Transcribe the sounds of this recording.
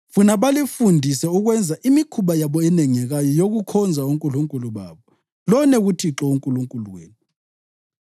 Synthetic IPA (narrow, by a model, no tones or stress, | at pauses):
funaɓalifundʱisɛuɣ̬wɛnd͡zʱaʔimikʰuɓajaɓɔɛnɛŋɛɣ̬ajɔjoɣukʰɔnd͡zʱauŋkʼuluŋkʼuluɓa̰ːɓɔ | lɔnɛɣutʰiǁɔuŋkʼuluŋkʼuluwḛːni